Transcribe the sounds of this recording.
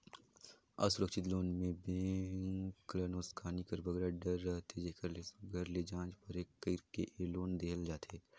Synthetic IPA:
a̰sʊɾəkʃɪt̪loːnmẽbẽː | klənoːskʰaːnikɐɾbɐɡɾaɖɐɾɐɦt̪ʰed͡ʒekɐɾleɡɐɾled͡ʒãːd͡ʒpɐɾeːkːəɾkḛʔeloːnd̪eːəld͡ʒaːt̪ʰeː

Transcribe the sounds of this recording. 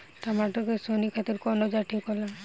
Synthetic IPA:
t̪amaʈɔkesonikʰat̪iɾkɔnɔd͡ʒaʈʰikɦɔla

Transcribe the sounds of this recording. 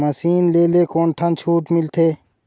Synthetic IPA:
mɐsiːnleːleːkoːnʈʰɐnt͡ʃʰuːʈmɪlt̪ʰeː

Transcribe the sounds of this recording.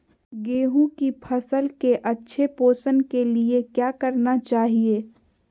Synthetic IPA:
ɡeːɦũkipʰɐsəlkeʔɐtːʃʰepoːsənkeliekjaːkɐɾnat͡ʃaːɦieː

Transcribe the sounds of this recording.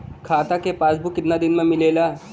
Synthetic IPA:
kʰaːt̪akepaːsbʱukɪt̪nad̪ɪnmẽmɪleːlaː

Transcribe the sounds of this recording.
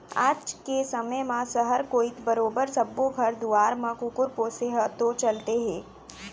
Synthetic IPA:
a̰ːd͡ʒkesɐməjmãsəɦəɾkoːɪt̪ʰbəɾoːbəɾsɐbːoɡʱɐɾd̪uaːɾmãkʊkʊɾpoːseɦət̪ot͡ʃɐlt̪eɦɛ̃ː

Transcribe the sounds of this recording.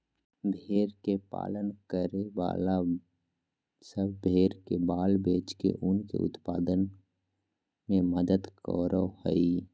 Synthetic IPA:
bʱeːɾkepa̰ːlənkəɾeʋa̰ːla | səbbʱeːɾkebaːlbeːt͡ʃkḛʔʊnkḛʔʊ̰t̪paːd̪ən | mẽməd̪əd̪kɔ̰ɾohəi

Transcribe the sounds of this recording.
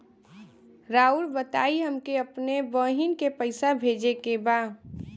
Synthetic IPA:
ɾaːulbət̪aːiɦəmkeəpnebəɦɪnkepəɪsabʱeːd͡ʒekebaː

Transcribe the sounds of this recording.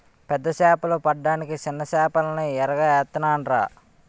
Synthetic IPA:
pɛd̪ːɐʃaːpɐlupɐɖːaːnikit͡ʃɪnːɐʃaːpɐlɐniɛɾɐɡɐɛt̪ːɐnaːnɾa̰ː

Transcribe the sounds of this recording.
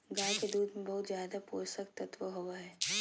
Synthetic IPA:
ɡaːjked̪uːd̪mẽbɐɦʊt̪zjaːd̪apoːsək̚t̪ɐt̪ʋəɦoʋaɦɛː

